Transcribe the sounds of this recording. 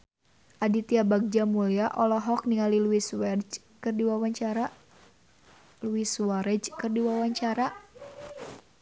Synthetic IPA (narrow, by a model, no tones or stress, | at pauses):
ʔadit̪iabaɡ̚d͡ʒamuliaʔɔlɔɦɔk̚niŋaliluwiswd͡ʒ | kɨrdiwawaɲt͡ʃaɾa | luiswaɾɛd͡ʒkɨrdiwawaɲt͡ʃaɾa